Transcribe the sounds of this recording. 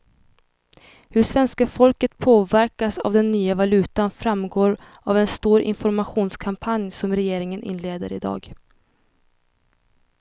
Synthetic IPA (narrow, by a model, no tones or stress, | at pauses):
hɵʂvɛnskafɔlkət̪pʰoːvæɾkasa̰vd̪ɛnːyːavalʉ̟ːt̪anfɾamːɡoːɾ | avɛnst̪uːɾʔɪ̰nfɔɾmaɧuːnskʰampʰanjsɔmɾɛjeːɾɪŋənʔɪ̰nleːd̪əɾɪd̪ɑ̰ːɡ